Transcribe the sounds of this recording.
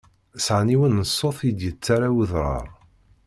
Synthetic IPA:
sʕniwənːəsˤːoθjd̪jət͡sːaɾawəðɾˤɑ̰ɾˤ

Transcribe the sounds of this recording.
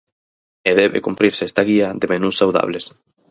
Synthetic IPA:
eðɛβḛkumpɾiɾsɛst̪aɣiɐðemenusːawða̰βles

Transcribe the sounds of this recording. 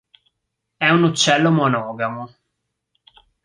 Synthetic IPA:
ɛunut͡ʃːɛlːomonɔːɡamo

